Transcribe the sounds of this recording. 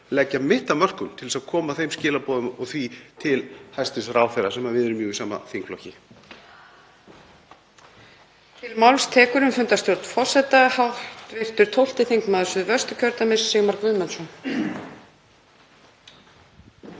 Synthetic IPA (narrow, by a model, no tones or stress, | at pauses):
lɛcːamɪht̪amœr̥kʏmt̪ʰɪlsaðkʰɔːmaθejmscɪːlapɔːðʏmɔɣθvit̪ʰɪlhajst̪ɪsraːwfɛɾasɛmavɪðɛɾʏmjœːɣisaːma̰θiŋkflɔhcɪ | t̪ʰɪlmalvst̪ʰɛːkʏɾʏmfʏnt̪ast̪jowɾt̪fɔ̥sɛt̪ahawht̪vɪr̥t̪ʏɾ̥t̪ʰowl̥t̪ɪθiŋkmaːðsʏvœ̥st̪ʏcʰœɾt̪amɪsːɪɣmaɾkvʏðmɛnsɔn